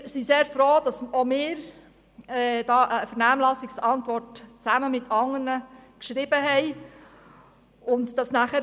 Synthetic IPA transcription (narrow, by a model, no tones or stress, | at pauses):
siseːɾfɾoːd̥ɑsomɪːɾ | ɛd̥ɑːʔəfəɾnæːmlɑsɪksɑntʋɔrtt͡sæməmɪtʰɑŋərnəkʃɾɪbəɦɛɪ | ʊntd̥ɑsnæχəɾ